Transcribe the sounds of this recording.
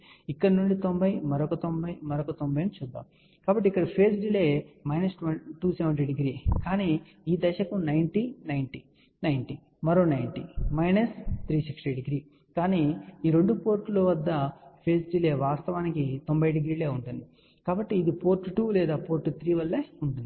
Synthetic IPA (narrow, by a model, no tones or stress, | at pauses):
ikːɐɽɐnuɳɖit̪ombɐjmɐɾokɐt̪ombɐjmɐɾokɐt̪ombɐjenut͡ʃuːd̪ːa̰ːm | kaːbɐʈ̬ːikːɐɽɐpʰeːsɖileːmɐjnɐsʈʋɐnʈuːsɛʋɐɳɖɾeɖiɡɾiːkaːniː | iːd̪ɛʃɐkunɐjɳʈinɐjɳʈi | nɐjɳʈi | mɐɾo̞ːnɐjɳʈimɐjnɐst̪ʰɾiːsiksʈiɖiɡɾiː | kaːniːiːɾe̞ɳɖupo̞ːɾʈloʋɐd̪ːɐpʰe̞ːsɖileːʋaːst̪ɐʋaːnikit̪o̞mbɐjɖiɡɾiːleːuɳʈund̪i | kaːbɐʈːiːd̪ipo̞ːɾʈːuʈuːlɛːd̪aːpo̞ːɾʈːut̪ʰɾiːʋɐlːeuɳʈund̪i